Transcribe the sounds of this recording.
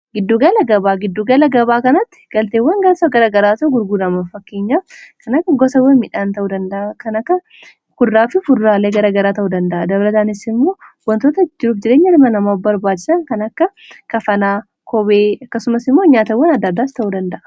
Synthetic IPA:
ɡɪd̪ːuːɡɐlɐɡɐbaːɡɪd̪ːuːɡɐlɐɡɐβaːkɐnɐt̪ːɪ̥ɡ̥ɐlt̪eːwːɐŋɡaːsɐɡɐɾɐɡɐɾaːt̪ɐʔʊɡʊɾɡuːd̪ɐmɐfɐkːe̞ːɲːaːkʰɐnɐkːɐɡɔsɐwːɐmɪᶑaːnt̪ɐʔuːd̪ɐnd̪ɐʔɐkɐnɐkːɐ | kʊd̪aːfɪfʊɾːaːleːɡɐɾɐɡɐɾaːt̪ɐʔuːd̪ɐnd̪ɐʔɐd̪ɐβɐlɐt̪aːnɪsɪmːo̞ːwɐnt̪oːt̪ɐd͡ʒɪɾuːfd͡ʒɪɾe̞ːɲːɐlmɐnɐmaːfbɐɾbaːt͡ʃːɪ̥sɐŋkɐnɐkːɐ | kɐfɐnaː | kʰɔbeːɐkːɐsʊmɐsɪmːoɲaːt̪ɐwːɐnɐd̪ːɐd̪ːaːst̪ɐʔuːd̪ɐnd̪ɐʔɐ̥

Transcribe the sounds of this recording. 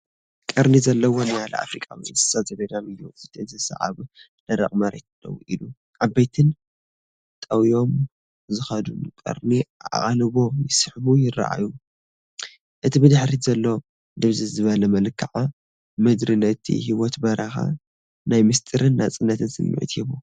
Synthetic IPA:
kʼɐɾnizɐlːɐwonijalɐ̰a̰fɾikʼawḭnsɨ̥sazɐɡɐd̪amijuɨt̪ʰiɨzɨsɐ̰ʕa̰β | l̥ɐɾɐ̰χʼmɐɾḛt̪̚ɨlːɐ̰wṵʔilu | ʔabːɐjt̪ʰɨn | t̪ʼɐwijo̞m | zɨxɐd̪unkʼɐ̰ɾniaʔa̰χʼalβo̞jɪsɨħβujɪra̰ʔa̰ju | ʔɨt̪ʰibɨd̪ɨħɾizɐlːɐwom | d̪ɨβzɨzɨβɐlɐmɐlɨkʰːaʕa | mɨd̪ɾilɐt̪ʰḭɦiwɔt̪bɐɾɐxa̰ | najmɨst̪ʼɨɾɨnːat͡sʼɨnːɐt̪ʰɨnsɨ̰mːʊ̰ʕɨ̰t̪hiβu

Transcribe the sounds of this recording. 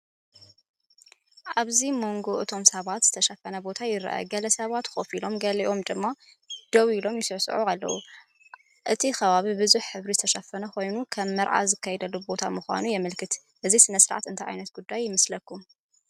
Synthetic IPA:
ʔaβzimo̞ŋɡo̞ʔɨt̪ʰo̞msɐβat̪z̥ɨt̪ʰɐʃɐfɐnɐbo̞t̪ʰajɪɾɐ̰ʔɐ̰ɡɐlɐsɐβat̪xo̞filo̞mɡɐliʔo̞md̪ɨmːa | d̪̥ɐwilo̞mjɪsɨsʕualːɐ̰wu | ʔɨt̪ʰixɐβaβibɨzuħħɨβɾizɨt̪ʰɐʃɐfɐnɐxo̞jnukʰɐmːɐɾʕa̰zɨkʰːɐjɛd̪ɐlːubo̞t̪ʰamɨxʷa̰nujɛmɨlkʰɨt̪ | ʔɨzisɨnɐsɨɾʕa̰t̪ɨnt̪aʕa̰jnɐt̪̚ɡ̥ud̪ːajːɪmɐslɐkːum

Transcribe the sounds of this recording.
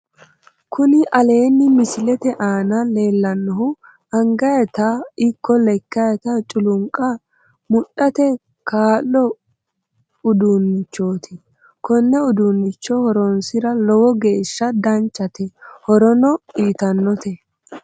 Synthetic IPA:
kʰʊnɪʔɐle̞ːnːɪmɪsɪlɛt̪ɛʔaːnɐle̞ːlːɐnːɔɦʊ | ɐŋɡɐjɐt̪ɐɪkːɔlɛkːɐjɐt̪ɐt͡ʃʼʊlʊŋkʼːɐ | mʊɗɐt̪ɛ | kaːlːɔ | ʊd̪unːt͡ʃːo̞ːt̪ʰɪ | kɔnːɛʊd̪unːɪt͡ʃːɔhɔɾɔnsɪɾɐlɔwɔɡe̞ːʃːɐd̪ɐnt͡ʃːɐt̪ɛhɔɾɔnɔiːt̪ɐnːɔt̪ɛ

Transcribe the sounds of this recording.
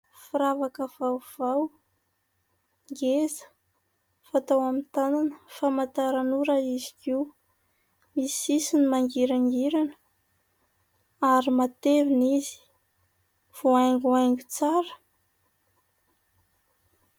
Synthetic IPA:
fuɾavakəv̥awv̥aw | ŋɡezə̥ | fat̪awamint̪ananəfamat̪aɾanuɾaizi̥kiw | misisinimaŋɡiɾaŋɡiɾanə̥ | aɾimat̪evinizi̥ | v̥oajŋɡuajŋɡut͡saɾə̥

